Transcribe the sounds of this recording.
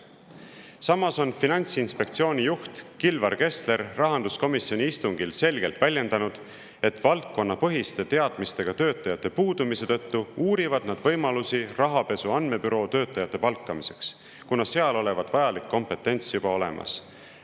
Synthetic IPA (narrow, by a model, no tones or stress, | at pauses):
sɑmːɑso̞nfinɑnʲt̪sinspe̞kt̪sio̞ːnʲijuht̪kilvɑɾke̞st̪le̞ɾːɑɦɑnd̪usko̞misjo̞nʲiist̪uŋɡ̥ilse̞lɡ̥e̞lt̪vælʲje̞nd̪ɑnud̪̥ | e̞t̪vɑlt̪̚ko̞nːɑpɤɦist̪e̞t̪e̞ɑd̪̥mist̪e̞ɡ̥ɑt̪øːt̪ːˑɑjɑt̪ːe̞puːd̪̥umise̞t̪ɤ̞t̪ːuuːɾivɑd̪̥nɑd̪̥vɤ̞jmɑlusirɑɦɑpe̞suɑnme̞byɾo̞ːt̪ø̞ːt̪ːˑɑjɑt̪ːˑe̞pɑlkːˑɑmise̞̥ks | kunɑse̞ɑlo̞le̞vɑd̪̥vɑjɑlikːo̞mpe̞t̪ːˑe̞nʲt̪sjub̥ɑo̞le̞̰mʔɑ̰s